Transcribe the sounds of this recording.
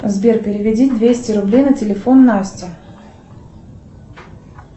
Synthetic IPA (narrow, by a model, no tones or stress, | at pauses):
zbʲerpʲɪɾʲɪvʲɪdʲit̚ʲd̪vʲesʲtʲɪɾʊblʲejnətʲɪlʲɪfo̞nːasʲtʲɪ